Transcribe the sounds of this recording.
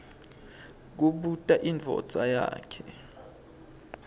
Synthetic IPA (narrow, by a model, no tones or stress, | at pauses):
k̬uɓutʼaʔind͡vʱɔ̰d̥d͡zʱʼaja̰ːkʰɛ